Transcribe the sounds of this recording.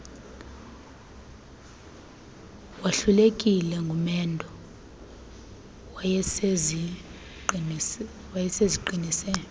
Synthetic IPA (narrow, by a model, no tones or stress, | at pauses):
waɬulekʼilɛŋɡʱumɛndʱɔ | wajɛseziǃinisɛ